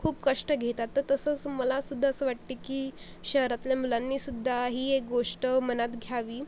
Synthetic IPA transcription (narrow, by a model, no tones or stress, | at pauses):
kʰuːpkəʂʈəɡʱet̪at̪ːəɾt̪əsət͡sməlasud̪ʱːaəsəːʋaʈt̪ikiː | ɕəɦɾat̪ljamulanːiːsud̪ʱːaɦiːek̚ɡoʂʈəmənat̪ɡʱjaʋiː